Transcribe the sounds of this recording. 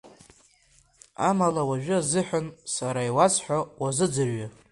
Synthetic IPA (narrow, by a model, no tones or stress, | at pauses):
a̰malawaʒᶣɪazɨħʷᶣansaɾaiwat͡sʰħʷᶣawazɨd͡zɨrɥa